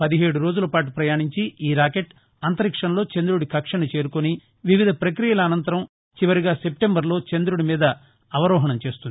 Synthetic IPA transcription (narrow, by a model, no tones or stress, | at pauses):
pɐd̪iɦeːɽuɾo̞ːd͡ʒulɐpaːʈ̬upɾɐjaːɳiɲt͡ʃiiːɾaːkeʈ | ɐnt̪ɐɾikʂɐnlo̞ːt͡ʃend̪ɾuɽikɐkʂɐnɐt͡ʃe̞ːɾukoni | ʋiʋid̪ʱɐpɾɐkɾijɐlɐːnɐnt̪ɐɾɐm | t͡ʃiʋɐɾiɡaːse̞pʈembɐɾlo̞ːt͡ʃend̪ɾuɽimiːd̪ɐː | ʋɐɾɔːɦɐɳɐmt͡ʃe̞ːst̪und̪i